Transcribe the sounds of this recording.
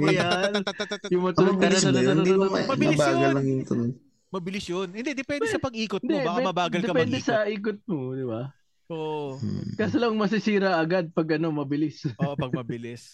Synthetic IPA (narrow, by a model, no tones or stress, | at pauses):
ɐjanjʊŋmɐt̪ɐnŋbɪɐlɐsɐlɐj̪ɪd̪iɐmɐbɪɐbaːɡɐlːɐŋjʊŋt̪ɐnoj | mɐbɪlɪsjonhɪnd̪ɛd̪ɛpɛnsɐpɐɡʔiːkʊt̪ɪnd̪ɛaɛmɐbaːɡɐld̪ɛɐpɛnd̪ɛsɐʔiːk̬ʊt̪̚mod̪ɪba | ʔoʔkaːsolɐŋmɐs̬ɪsiːɾɐʔɐɡad̪̚pɐɡʔɐno̞mɐbɪlɪsopɐɡ̚mɐbɪlɪs